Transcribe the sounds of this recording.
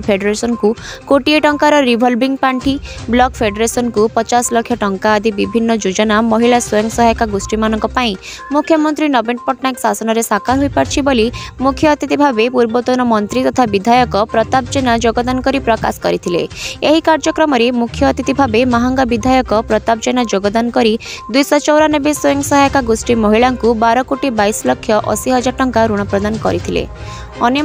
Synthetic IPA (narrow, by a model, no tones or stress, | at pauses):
pʰeɖeɾesɔnkukoʈieʈɔŋkaɾɔɾibʱɔlbiŋpaɳʈiblɔkpʰeɖeɾesɔnkupɔt͡ʃaslɔkʰjɔʈɔŋkaːd̪ʱibibʱinːɔd͡ʒud͡ʒɔnamɔɦilaswɔjɔŋɡsɔɦɔjkaɡusʈimanɔŋkɔpaĩ | mukʰːjɔmɔnt̪ɾinɔbenpɔʈnajksasɔnɔɾesakaɦojpaɾt͡ʃʰibolimukʰjɔːt̪it̪ibʱabepuɾbɔt̪unɔmɔnt̪ɾit̪ɔt̪ʰabid̪ʱajɔkɔpɾɔt̪ap̚d͡ʒenad͡ʒoɡɔd̪ankɔɾipɾɔka̰skɔɾit̪ʰilḛeɦikaɾd͡ʒɔkɾɔmɔɾemukʰːjɔːt̪it̪ibʱabemaɦɔŋɡabid̪ʱajɔkɔpɾɔt̪ap̚d͡ʒenad͡ʒoɡɔd̪anɔkɔɾid̪ujsɔt͡ʃɔwɾanɔbesojɔ̃ŋsɔɦajkaɡusʈimɔɦiɭaŋkubaɾɔkoʈibajslɔkʰːjɔʔɔ̰siɦɔd͡ʒaʈɔŋkaɾuɽ̃ɔpɾɔd̪anɔkɔ̰ɾit̪ʰilḛ | ɔnjɔ